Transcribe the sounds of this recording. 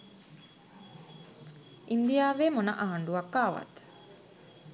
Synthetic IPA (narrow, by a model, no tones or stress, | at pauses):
ind̪ijaːʋeːmonə̰ʔaɦaɳɖuakːaːʋa̰t̪